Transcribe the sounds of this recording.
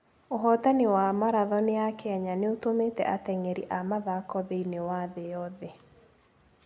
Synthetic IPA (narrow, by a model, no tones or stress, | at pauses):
oɦɔtanewamaɾaðɔneakɛɲaneotomeːtɛ̰ʔatɛŋɛɾiʔamaðakɔðeinewaðejɔðe